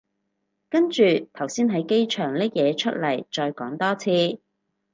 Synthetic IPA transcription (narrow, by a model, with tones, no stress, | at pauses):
kɐ˥nt͡ʃyː˨t̪ʰɐ˨˩wsiː˥nɦɐ˨˥jke˥jt͡ʃʰœː˨˩ŋlɐː˥k̚jɛː˨˧t͡ʃʰɵ˥t̚lɐ˨˩jt͡ʃɔː˧jkɔː˨˥ŋt̪ɔː˥t͡sʰiː˧